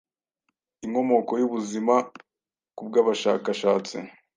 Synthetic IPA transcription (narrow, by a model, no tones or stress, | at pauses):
iŋo̞mo̞ko̞juβuzima | kub̚ɡaːβaʃa̰ːkaʃaːt͡sḭ